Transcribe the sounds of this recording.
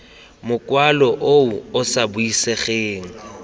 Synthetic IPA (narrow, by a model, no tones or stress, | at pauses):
mʊkʼwalɔʔouʊsabʊiseχeːŋ̩